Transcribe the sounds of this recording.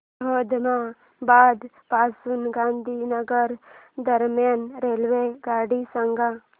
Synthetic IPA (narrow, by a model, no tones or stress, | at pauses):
ɦoːd̪mã | baːd̪ | paːsunɡãːnd̪ʱinəɡəɾd̪əɾmjanɾeːlʋeɡaːɽisəŋɡa